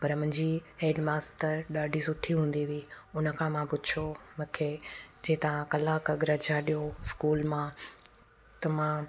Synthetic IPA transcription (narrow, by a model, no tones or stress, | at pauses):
pɐɾm̃ɦɲd͡ʑiːɦeːɖmaːsʈəɾɗaːɖʱisʊʈʰiɦũːn̆d̪iʋiːʊnə̆kʰãːmãpʊd̪t͡ʃʰomɐ̃kʰed͡ʑeːt̪ɐʋãkɐlaːkɐɡɾɐd͡ʑʱaːɗijoskuːlmãː | t̪ɐmã